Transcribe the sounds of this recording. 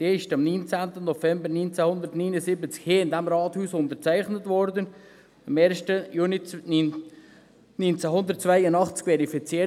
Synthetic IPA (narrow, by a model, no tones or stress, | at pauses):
d̪̥eːɪʃtɑmnynt͡sæntənːɔfɛmbəɾnynt͡sɛhʊnd̪əɾtnynəsɪbət͡skheːɪnd̪ɛmɾɑːthuːsʊnt̪əɾt͡sæɪχnətvɔɾdən | ɑmeːɾʃtəjuːni | nynt͡sɛɦʊnd̪əɾt̚t͡svæɪənɑχt͡skvɛɾifit͡siː